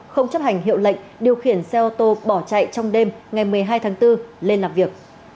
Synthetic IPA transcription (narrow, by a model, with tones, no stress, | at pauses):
xə˧wŋ͡mt͡ɕə˦˥p̚ha˨˩jŋ̟ɦḭ˧˨əwlə̰˧˨jŋ̟ɗi˨˩əwxi˧˩ənsɛ˧ʔo˧t̪o˧ɓɔ˧˩t͡ɕa̰˧˨jt͡ɕɔ˧wŋ͡mɗe˧mŋa˨˩jmɨ˨˩əjɦaː˧jt̪ʰaː˨˦ŋt̪ɨ˧le˧nlaː˨˩mvi˨˩ək̚